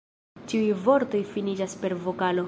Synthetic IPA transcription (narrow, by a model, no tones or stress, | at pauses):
t͡ʃiujvo̞ɾto̞jfinid͡ʒaspe̞ɾvo̞kalo̞